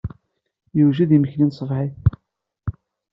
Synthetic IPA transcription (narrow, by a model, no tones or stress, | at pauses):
jəwʒiðiməçlinsˤəvħiθ